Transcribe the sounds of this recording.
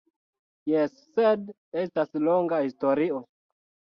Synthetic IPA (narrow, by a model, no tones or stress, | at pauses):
jesːed | e̞stasloŋɡahisto̞ɾio